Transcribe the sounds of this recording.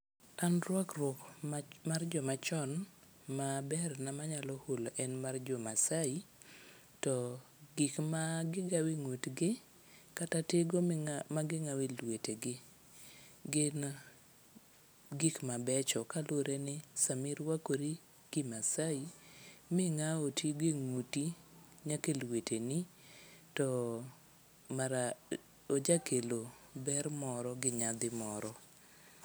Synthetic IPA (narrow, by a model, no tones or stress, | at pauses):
anɾwakrɔkmard͡ʒɔmat͡ʃɔn | mabɛrnamaɲalɔholoʔɛnmard͡ʒɔmasai | tɔ | ɡikmaɡɪɡawiŋotɡɪ | katateɡomaɡɪŋawilweteɡɪ | ɡ | ɡɪkmabɛt͡ʃɔkaloɾenɪsamɪɾwakoɾi | ɡ̥ɪmasaimɪŋaotiɡeŋuti | ɲakelwetʰeni | tɔ | maɾa | od͡ʒakʰelo | bɛɾmɔɾɔɡɪɲad̪ɪmɔɾɔ